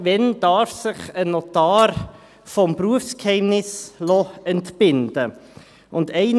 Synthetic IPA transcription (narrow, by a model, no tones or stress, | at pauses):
ʋɛnd̥ɑːɾfsɪχənɔtɑːɾ | fɔmpɾuəfskhɛɪmnɪslɔɛntb̥ɪnd̥ə | ʊndɛɪn